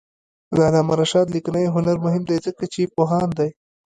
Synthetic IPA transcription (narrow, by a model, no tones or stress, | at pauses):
zalɑmaɾaʃɑːd̪liknajɦʊnaɾmʊɦɪmd̪ajzəkat͡ʃepoɦɑnd̪aj